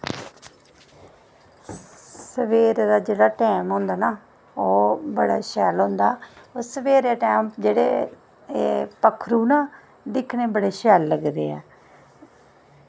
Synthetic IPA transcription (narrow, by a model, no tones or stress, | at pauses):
səʋeːɾd̪aːd͡ʒeːɽaːʈɛːmɦõːnd̪aːnaː | oːbəɽa̰ːʃɛːlɦõːnd̪aːoːsəʋeːɾaːʈɛːmd͡ʒeːɽḛː | pəkʰːɾuːnaː | d̪ɪkʰneːbəɽeːʃɛːlːəɡd̪ḛːɛ̰ː